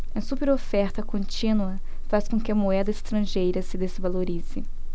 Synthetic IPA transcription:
ɐ̃supeɾofɛɾt̪ɐkõnt͡ʃĩnuɐ | faskõkɪɐmoɛd̪ɐɪst̪ɾɐ̃ʒejɾɐsɪd̪ezvaloɾizɪ

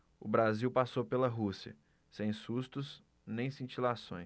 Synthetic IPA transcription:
ʊbɾaziwpasowpelɐɦusiɐ̰ | sẽj̃sust̪ʊs | nẽj̃sĩt͡ʃilasõ̰j̃s

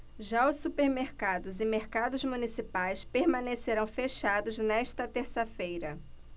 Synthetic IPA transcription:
ʒaʊsːupeɾmeɾkad̪ʊzɪmeɾkad̪ʊzmunisipajspeɾmɐ̃neseɾɐ̃w̃feʃad̪ʊznɛʃt̪ɐt̪eɾsɐfejɾɐ

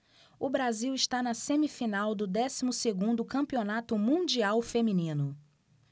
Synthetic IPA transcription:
ʊbɾaziwɪʃt̪anɐsẽmifinawd̪ʊd̪ɛsimʊseɡũnd̪ʊkɐ̃mpionat̪ʊmũd͡ʒiawfemĩnĩnʊ

